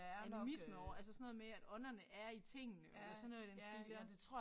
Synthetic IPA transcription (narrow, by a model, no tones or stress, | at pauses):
ænimisməɒʊ̰ɐælsəsɒ̽nɔ̽ðˠmeæd̥ɒ̽nɐnəʔæɐit͡sʰe̝ŋ̰nəʔelɐsɒnoðˠd̥ensɡ̥eleɒ̥ʁ